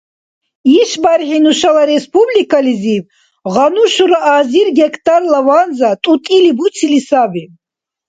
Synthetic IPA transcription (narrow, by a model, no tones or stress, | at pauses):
iʃbaɾχinuʃalaɾɛspʰʼublikʰʼalizib | ʁanuʃuɾaʔaːziɾɡɛkʰt̪ʰʼarlavanzat̪ʼut̪ʼilibusʰilisabi